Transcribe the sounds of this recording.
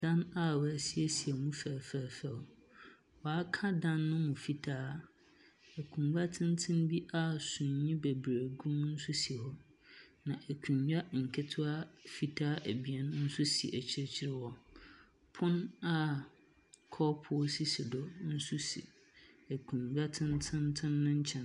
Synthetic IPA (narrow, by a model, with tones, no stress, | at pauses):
dã˦na˦wæ˨si˦e˦si˨e˨mũ˦fæː˨fɛː˨fɛ˦˨l | wɔ˨a˦kʰã˦dã˦nːʊ̃˦mʊ̃˨fi˦tʰaː˦ | æ˨kʰũ˨mɡa˦tʰɪ̃˦ntʰɪ̃˦nbi˦ʔa˦sũ˨ɲ˨ɲĩ˦bɛ˨bɾe˨ɡũ˦mn̩˦sʊ˦si˨hɔ˦ | nã˨ʔæ˨kʰũ˨ɲjᶣa˦ŋ̩˨kʰɛ˦tʰʊ˦a˦fi˨tʰaː˦ʔæ˨bi˨ɛ˦n˦n̩˦sʊ˦si˨ʔæ˨t͡ɕʰi˦ɾe˦t͡ɕʰi˦ɾɪ˦wɔ˨ | pʰʊ̃˦na˦ | kʰɔ˦pʰʊ˨ɔ˦si˦si˨dɔ˦n̩˦su˦sḭ˨ | æ˨kʰũ˨ɲɥᶣa˦tʰɪ̃˦ntʰɪ̃˦ntʰɪ̃˦nːʊ̃˦ɲ̩˦t͡ɕʰɛ̃˨n